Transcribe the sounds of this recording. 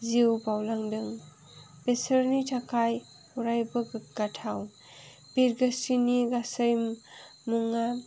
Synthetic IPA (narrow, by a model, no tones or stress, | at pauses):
ziwbawlaŋdɯŋ | besəɾnitʰakʰaj | uɾajbɯɡɡ̥atʰaw | b̥iɾɡasiniɡasəjmmuŋa